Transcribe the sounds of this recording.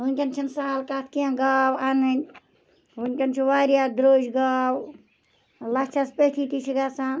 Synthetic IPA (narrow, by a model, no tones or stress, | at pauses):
ɦunkʲɐnt͡ʃʰɐnsaːlkat̪ʰkiãɡawanɨn | ɦunkʲɐnt͡ʃʰiwaːɾjad̪ɾoːd͡ʒɡaw | lat͡ʃʰaspət̪ʰit̪it͡ʃʰiɡasan